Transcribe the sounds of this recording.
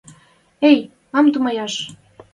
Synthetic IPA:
ej | ɑmt̪umɑjɑʃ

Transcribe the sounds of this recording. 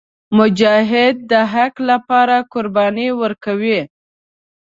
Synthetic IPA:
mʊd͡ʒɑɦɪd̪̚ːəɦaklapɑɾakʊɾbɑniwəɾkawi

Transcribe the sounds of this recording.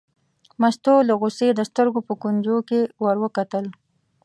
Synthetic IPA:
mast̪oləɣʊsed̪əst̪əɾɡopəkund͡ʒokewaɾwəkat̪əl

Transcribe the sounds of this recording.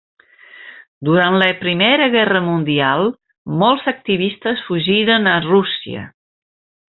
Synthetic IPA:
d̪uɾant̪ləpɾimeɾəɣɛrəmund̪ialˠ | mɔlˠzək̚t̪iβist̪əsfuʒiɾənərusiə̰

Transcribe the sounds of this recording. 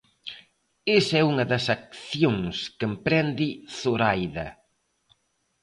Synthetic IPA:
esɛuŋɐðɐsak̚θjoŋskəmpɾɛnd̪iθoɾajðɐ̰

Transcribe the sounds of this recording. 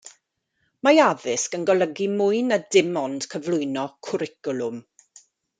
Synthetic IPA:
majaðɪskənɡɔlˠəɡimʊɨnadɪmɔnd̥kʰəvlˠʊɨnɔkʰʊɾɪkʊlʊm

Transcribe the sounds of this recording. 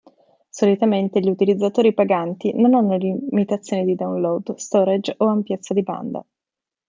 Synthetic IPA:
solit̪ament̪eʎiut̪ilid̪zːat̪oːɾipaɡant̪inonanːolimit̪at̪sːjoːnid̪id̪aunlɔd̪st̪ɔɾad͡ʒoampjet̪sːad̪iba̰nd̪a̰

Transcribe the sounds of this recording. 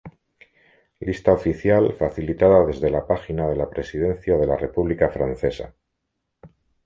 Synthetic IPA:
list̪ao̞fiθjalfaθilit̪aðaðe̞zðe̞lapaxinaðe̞lapɾe̞sið̞e̞n̟θjað̞e̞lare̞puβlikafɾan̟θe̞sa̰

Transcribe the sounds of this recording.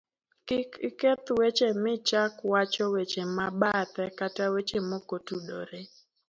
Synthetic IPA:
kɪkɪket̪wet͡ʃemɪt͡ʃakwat͡ʃɔwet͡ʃemabat̪ɛkatawet͡ʃemokotudo̰ɾe

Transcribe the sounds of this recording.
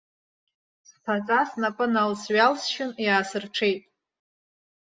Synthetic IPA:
spʰazʼasnapʼɨnalsɥalsʃɪnjaːsɨrʈ͡ʂʰejtʼ

